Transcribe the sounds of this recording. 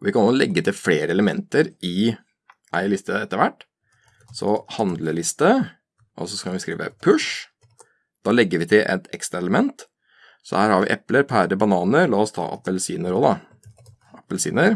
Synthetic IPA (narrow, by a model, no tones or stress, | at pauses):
ɔʋɪkɑnoːlɛɡːət̪ʰɪlfleːɾəɛləmɛnt̪əɾɪ | ʔæ̰ɪlɪst̪əɛt̪ːəɾʋæʈː | sɔhɑnd̪ləlɪst̪ə | ʔɔ̰sɔskɑnʋɪskɾḭːʋə̰pʰʉʂ | d̪̥ɑːlɛɡːəɾʋɪt̪ʰɪlʔɛ̰t̪ʰɛ̰kst̪ɾɑɛləmɛnt̪ | sɔ̰hæːɾhɑɾʋɪʔɛpləɾpʰæːɾəbɑnɑːnəɾlɑːɔst̪ʰɑ̰ːʔɑ̰pəlsiːnəɾod̪ɑ | ɑpːəlsiːnəɾ